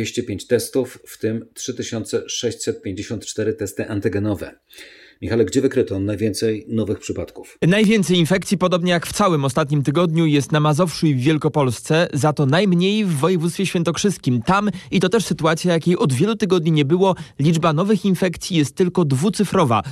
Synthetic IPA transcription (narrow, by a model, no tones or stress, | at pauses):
eɕt͡ɕɛpʲjeɲt͡ɕt̪ɛst̪ufːt̪ɘmtʂɘt̪ɘɕɔnt̪sɛʂɛɕt͡ɕsɛt̪̚pʲjẽɲd͡ʑeɕɔnt̪t͡ʂt̪ɛɾɘt̪ɛst̪ɘʔant̪ɘɡɛnɔvɛ̰ | mʲixalɛɡd͡ʑɛvɘkɾɘt̪ɔnajvʲjɛnt̪sɛjnɔvɘxpʂɘpat̪ku̥fnajvʲjɛnt̪sɛjinfɛk̚t̪sʲipɔd̪ɔbɲɛjakft̪sawɘmɔst̪at̪ɲimt̪ɘɡɔd̪ɲujɛst̪namazɔfʂuivːjɛlkɔpɔlst̪sɛzat̪ɔnajmɲejvːɔjɛvut̪st̪fʲjeɕfʲjɛnt̪ɔkʂɘskʲimt̪amit̪ɔt̪ɛʂsɘt̪uat̪sʲjajakʲejʔɔd̪vʲjɛlut̪ɘɡɔd̪ɲiɲɛbɘwɔlʲid͡ʐbanɔvɘxinfɛkt̪sʲjijɛst̪ːɘlkɔd̪vut̪sɘfɾɔva̰